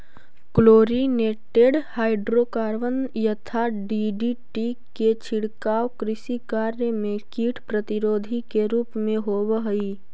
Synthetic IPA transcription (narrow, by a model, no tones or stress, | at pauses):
kloːɾineːʈeːɖhaːɪɖɾoːkaːɾʋənjət̪ʰaɖiɖiʈiket͡ʃʰɪɽkaːʋkɾɪsikaːɾjəmẽkiːʈʰpɾət̪ɪɾoːd̪ʱikeɾuːpmẽɦoːʋəɦi